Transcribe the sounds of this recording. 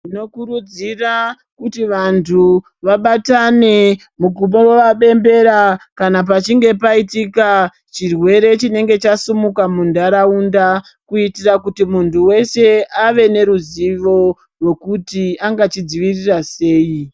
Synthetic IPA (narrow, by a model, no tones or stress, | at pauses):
ino̞kuɾud͡zira | kutiʋantʰu | ʋaɓatane̞ | muɡumowoʋaɓe̞mbe̞ɾakanap̬at͡ʃiŋɡe̞paitika | t͡ʃirwe̞ɾe̞t͡ʃine̞ŋɡe̞t͡ʃasumukamundaɾaunda | kuitirakutimuntʰuwe̞se̞aʋe̞ne̞ɾuziʋo̞ | rwe̞kutiaŋɡat͡ʃid͡ziʋirirase̞ːi